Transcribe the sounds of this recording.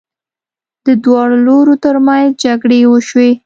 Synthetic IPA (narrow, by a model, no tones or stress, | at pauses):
d̪̥əd̪wɑɽoloɾot̪əɾmanzd͡ʒaɡɽewəʃwe